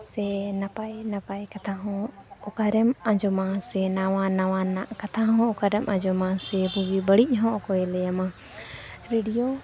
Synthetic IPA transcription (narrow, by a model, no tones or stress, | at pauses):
sɛnapajnapajkat̪ʰaɦɔ̃ɔkaɾɛmãd͡ʒɔmasɛnawanawanaʔkat̪ʰaɦɔ̃ɔkaɾɛmãd͡ʒɔmasɛbuɡibəɽic̚ˀɦɔ̃kɔɛlɛjama | ɾeɖijo